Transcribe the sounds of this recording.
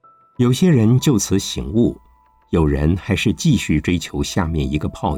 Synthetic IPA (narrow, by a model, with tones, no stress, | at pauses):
jo˨˩ʊɕjɛ˥ɻə˧˥nt͡ɕjo˥˩ʊt͡sʰɹ̩˧˥ɕḭ˧˩˥ŋu˥˩ | jo˨˩ʊɻə˧˥nxa˧˥ɪʂɻ̩˥˧t͡ɕi˥˧ɕy˥˩ʈ͡ʂwe˥ɪt͡ɕʰjo˧˥ʊɕja˥˧mjɛ˥˩ni˧˥ɡə˧pʰɑ˥˧ʊ